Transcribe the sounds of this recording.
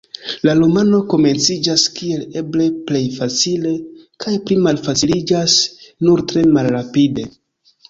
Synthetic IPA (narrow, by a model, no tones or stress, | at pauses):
lalomano̞ko̞me̞nt͡sid͡ʒaskie̞le̞ble̞ple̞jfat͡sile̞kʰajplimalfat͡silid͡ʒasnuɾtɾe̞malɾapide̞